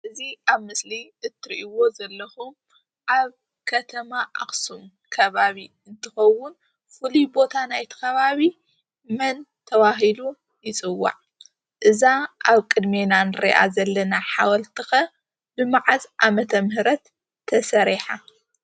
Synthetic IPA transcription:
ʔɨziaβmɨsliʔɨt̪ʰːɨɾiʔiwo̞zɐlːɐxum | ʔaβ | kʰɐt̪ʰɐmaʔa̰xsum | kʰɐβaβi | ɨnt̪ʰɨxɐwːʊn | fɨlibo̞t̪ʰanajt̪ʰɨ̥kɐβaβi | mɐnt̪ʰɐβaɦilu | jɪt͡sʼɨwːa̰ʕ | ʔɨzaʔaβkʼɨd̪me̞nanɨɾḭʔa̰zɐlːɐnaħawɐlt̪ʰɨxɐ | bɨmaʕazʔamɐt̪ʰɐmhɨɾɐt̪ʰː | ɐsɐɾiħa

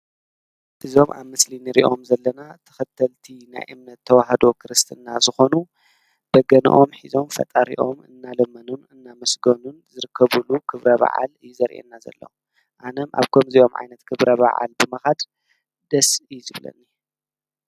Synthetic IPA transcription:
ʔɨzo̞mʔa̰βmɨslinɨɾḭʔo̞mzɐlːɐnat̪ʰɨ̥xɐt̪ʰːɐlt̪ʰina̰jʔɨmnɐt̪ʰːɐwaɦɐd̪o̞kʰɨɾɨst̪ʰɨnːazɨxo̞nu | b̥ɐɡɐn̰ʔo̞mħizo̞mfɐ̰t̪ʼaɾḭʔo̞mɨ̰nːalɐmɐnunɨnːamɐsɡonunzɨɾɨkːɐβulukʰɨβɾɐβa̰ʕa̰lɨjːuzɐɾʔḛnːazɐ̰lːɐ̰wu | ʔanɐmʔa̰βkʰɐmzio̞mʕa̰jnɐt̪kʰɨβɾɐβa̰ʕa̰lbɨmɐxad̪ | d̪ɐsijzɨβlɐ̰nːi

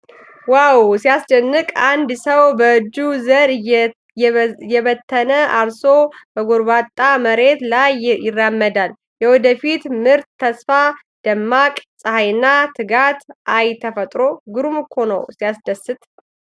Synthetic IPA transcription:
wawsijasd͡ʒənːɨkʼand̪səwbəɨd͡ʒːuzəɾ | jjɛβət̪ʰːənəalsobəɡoɾbat̪ʼːaməɾe̞t̪lajjɪrːamːəd̪al | jɛwɔd̪əfit̪mɨɾt̪ʰːəsfa | d̪̥əmːakʼsʼəhajnːat̪ʰɨɡat̪ʔajt̪ʰəfət̪ʼɾo̞ɡɨɾumɨkʰːonə̰wsijasd̪əsːɨt̪ʼ

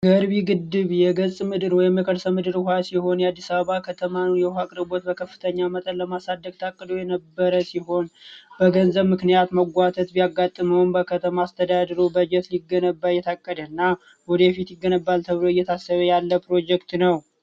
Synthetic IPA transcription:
ɡəɾbiɡɨd̪ːɨβjɛɡəsʼmɨd̪ɨɾwɔjɛməkʰəɾsəmɨd̪ɨɾhasiho̞njɛad̪ːisaβəβakʰət̪ʰəmanjɛhakʼɨɾɨbot̪bəkʰəfːɨt̪ʰəɲːamət̪ʼənləmasad̪ːəɡ̚t̪ʰakʼːəd̪ojɛnəbːəɾəsiɦo̞nbəɡənzəβmɨknijat̪məɡʷat̪ʰət̪bijaɡːat̪ʼːɨməwnbəkʰət̪ʰəmaːst̪ʰəd̪ad̪əɾobəd͡ʒɛt̪liɡːənəbːajːɛt̪ʰakʼːəd̪ənːa | wɔd̪əjɛfit̪jɪɡːənəbːalt̪ʰəβloɨjːɛt̪ʰasːəβəjalːəpʰɾo̞d͡ʒɛkt̪nəw

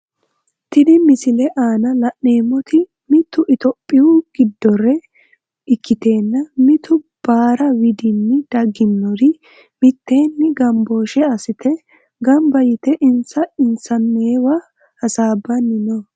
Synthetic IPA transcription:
t̪ɪd̪ɪmɪsɪlɛʔaːnɐlɐʔneːmːɔt̪ɪ | mɪt̪ːʊʔɪt̪ɔpʼːɪwʊɡ̥ɪd̪ːɔɾɛ | ɪkːɪt̪e̞ːnːɐmɪt̪ʊb̥aːɾɐwɪd̪ɪnːɪd̪̥ɐɡːɪnːɔɾɪ | mɪt̪ːe̞ːnːɪɡɐmbo̞ːʃɛɐsɪt̪ʰɛ | ɡɐmbɐjɪt̪ɛʔɪnsɐɪnsɐnːeːwɐ | hɐsaːbːɐnːɪnɔ

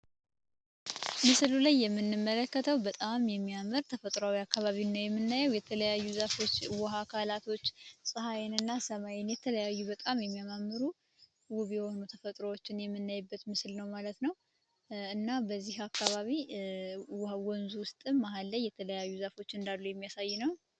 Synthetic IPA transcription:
mɨslulajːɛmːɨnːɨmːələkːət̪ʰəwbət̪ʼamjɛmːijamːɨɾt̪ʰəfət̪ʼɾoawiakːaβaβinːəwjɛmːɨnːajəwjɛt̪ʰələjajːuzafo̞t͡ʃːwɔɦakʰalat̪ʰo̞t͡ʃːsʼɨɦajɛnɨnːasəmajɛnjɛt̪ʰələjajːubət̪ʼamjɛmːijamamːɨɾu | wʊβjɛhonut̪ʰəfət̪ʼɾowot͡ʃːɪnjɛmːɨnːajbːət̪mɨslnəwmalət̪nəw | ɨnːabəzːihakːaβaβi | wawɔnzuwʊst̪ʼɨmːaɦalːəjːɛt̪ʰələjajːuzafo̞t͡ʃːɨnd̪alːujɛmːijasajːunəw

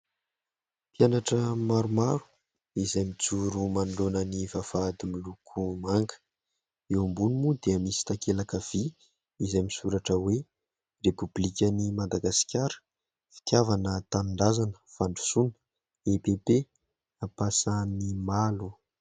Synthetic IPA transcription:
pjanaʈ͡ʂəmaɾumaɾu̥ | izajmit͡suɾumaɳɖ͡ʐonənivavad̪imilukʰumaŋkə̥ | ewambunimud̪eəmisi̥t̪akelakav̥i | izajmisuɾaʈ͡ʂəwe | republikʲənimad̪aɡasi̥kʲaɾə̥ | fi̥t̪javanət̪anɳɖ͡ʐazanə̥faɳɖ͡ʐu̥sunə̥ | epepe | apasanimalu

